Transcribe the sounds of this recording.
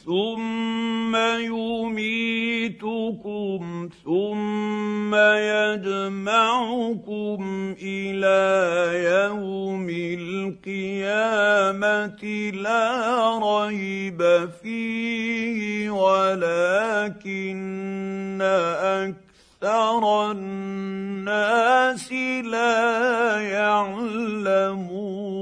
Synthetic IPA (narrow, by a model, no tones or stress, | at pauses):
θʊmː | ajʊmiːt̪ʊkʊmθʊmː | ajad͡ʒmaʕʊkʊmʔɪlaːjawmɪlqɨjaːmat̪ɪlaːɾˤɑjbafiːhɪwalaːkɪnː | aʔak̚ | θɑɾˤ | nːaːsɪlaːjaʕlamuː